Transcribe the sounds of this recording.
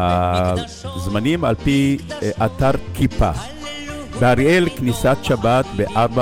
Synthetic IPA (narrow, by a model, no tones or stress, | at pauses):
a | zmanima̰lpiʔataʁkʰipa̰ | beaʁelknisat̪ʃabatbeʔaʁba